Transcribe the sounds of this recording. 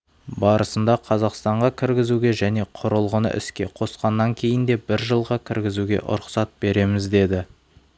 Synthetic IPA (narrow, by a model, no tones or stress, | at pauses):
bɑɾəsənd̪ɑqʰɑzɑqst̪ɑɴʁɑkʲʰɪɾɡʲɪzuɡʲe̞ʒæne̞qʰʊɾəlˠʁənə̰ʔɪ̰skʲe̞qʰo̞sqɑnːɑŋkʲʰe̞jɪnd̪e̞bɪɾʒəlˠʁɑkʲʰɪɾɡʲɪzuɡʲe̞̰ʔʊ̰ɾʊqsɑt̪̚be̞ɾe̞mɪzd̪e̞d̪ɪ